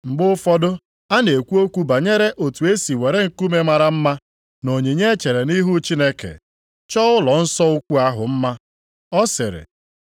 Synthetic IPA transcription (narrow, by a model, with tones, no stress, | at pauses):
m̩˨ɡ͡bʊ˦ʊ˦fɔ˦dʊ˦ | a˦ne˨kʷu˦o˦kʷu˦ba˨ɲe˦ɾe˦ʔo˨tu˨e˦si˨we˨ɾe˦ŋ̩˨ku˦me˦ma˨ɾa˦m̩˦ma˦ | no˨ɲe˨ɲe˦e˦t͡ʃe˨ɾe˨ni˦ɦu˦t͡ʃi˦ne˦kḛ˨ | t͡ʃɔ˦ʊ˦lɔ˨n̩˦sɔ˦ʊ˦kʷu˦a˦ɦʊ̰˨m̩˦ma˦ | ɔ˦sɪ̰˨ɾɪ̰˨